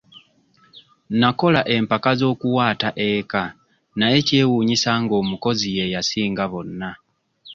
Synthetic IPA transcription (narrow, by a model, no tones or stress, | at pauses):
nako̞laʔe̞mpakazo̞ːkuwaːtaʔe̞ka | naje̞ce̞ːwuːɲisaŋɡo̞ːmuko̞zije̞jasiːŋɡaβo̞nːa